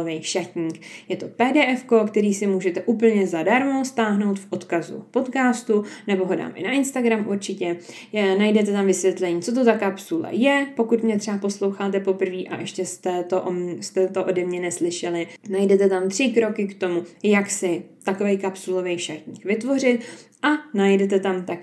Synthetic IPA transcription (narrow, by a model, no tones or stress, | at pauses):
vɛjʃacɲiːkjɛt̪o̞pɛːdɛːʔɛfko̞kt̪ɛɾiːsɪmuːʒɛt̪ɛʔuːpl̩ɲɛzadaɾmost̪aːɦno̞wt̪fʔo̞t̪kazṵpo̞t̪kaːst̪unɛbo̞ɦoda̰ːmʔɪ̰naʔɪnst̪aɡɾamʔuɾt͡ʃɪcɛ | najdɛt̪ɛt̪amvɪsvjɛt̪lɛɲiːt͡so̞t̪̬ot̪akapsulɛ̰jɛpo̞kut̪mɲɛt̪r̥ɛapo̞slo̞wxaːt̪ɛpo̞pr̩viːʔaʔɛʃcɛst̪ɛt̪oʔst̪ɛt̪oʔodɛmɲɛnɛslɪʃɛlɪnajdɛt̪ɛt̪amt̪r̝̥ɪkɾo̞kɪkt̪o̞mujaksɪt̪ako̞vɛjkapsulo̞vɛjʃaɾt̪ɲiːkvɪt̪vo̞r̝ɪt̪̚ʔanajdɛt̪ɛt̪amt̪ak̚